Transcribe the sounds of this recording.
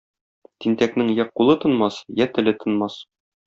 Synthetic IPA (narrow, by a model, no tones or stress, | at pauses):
t̪int̪æknɘŋjæqːulˠɤt̪ɤ̆nmɑsjæt̪ɘ̆lɘt̪ɤ̆nmɑs